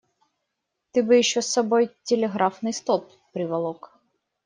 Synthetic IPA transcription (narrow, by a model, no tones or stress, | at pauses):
t̪ɪbɨjiʃːɔsːɐbɔjtʲelʲeɦɾafnɪjst̪ɔpːɾɪʋɐlˠɔk